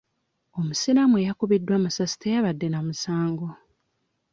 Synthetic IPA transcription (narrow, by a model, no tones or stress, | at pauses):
o̞musiɾamuejakuβidːwamusasi̥tejaβadːe̞namusaːŋɡo